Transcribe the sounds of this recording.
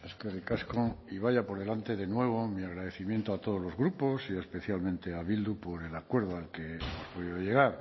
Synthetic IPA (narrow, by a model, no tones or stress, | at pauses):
eskerikaskoiβaʝapo̞ɾð̞e̞lant̪e̞ðe̞nwe̞β̞o̞miaɣ̞ɾaðe̞θimjent̪oat̪o̞ð̞o̞zlo̞zɣɾupo̞siespe̞θjalmẽnt̪e̞aβild̪upo̞ɾe̞lakwe̞ɾðoalkenospoðiðoje̞ɣ̞aɾ